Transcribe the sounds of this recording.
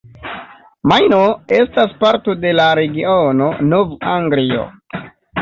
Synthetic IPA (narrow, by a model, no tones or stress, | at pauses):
majnoe̞staspaɾto̞de̞laɾe̞ɡiono̞novaŋɡlio̞̰